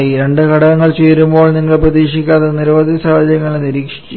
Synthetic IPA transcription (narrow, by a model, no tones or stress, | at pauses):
iɾeɳɖɨkɐɽɐɣɐŋːɐɭt͡ɕeːɾumbo̞ːɭniŋːɐɭprɐðiːʂikʲːaːt̪ðɐniɾɐʋɐðisaːɐd͡ʑjɐŋːɐɭeniɾiːkʂi̥